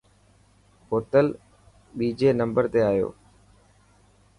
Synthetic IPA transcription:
ɦoːt̪əl | ɓiːd͡ʑeːnə̃mbəɾt̪eaːjo̰ː

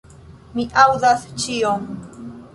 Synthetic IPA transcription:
miʔawd̪ast͡ʃioŋ

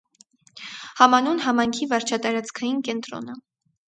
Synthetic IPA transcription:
hɑmɑnunɦɑmɑjŋkʰivɑɾt͡ʃʰɑt̪ɑɾɑt͡skʰɑjinkɛnt̪ɾɔ̰nə

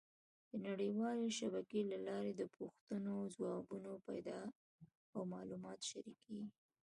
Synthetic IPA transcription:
d̪̥ənaɽəwɑleʃabakelalɑɾed̪əpuxt̪ənozwɑbunopajd̪ɑ | awmɑlumɑt̪ʃaɾikewi

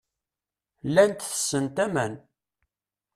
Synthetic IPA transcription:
lːænt̪θə̥sːənt̪æmæn

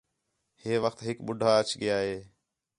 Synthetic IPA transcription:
heːʋəxt̪ɦɪkɓʊɖʱaːət͡ʃɠɪjaːɦeː

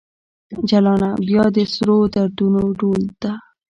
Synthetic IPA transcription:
d͡ʒalɑnabjɑd̪əsɾod̪aɾd̪unoɖold̪̥a

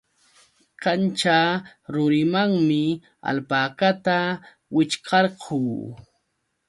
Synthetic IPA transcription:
kant͡ʃaɾʊɾɪmaŋmɪ | a̰lpaːkat̪a | wɪt͡ʃkʰɑɾqʰuː

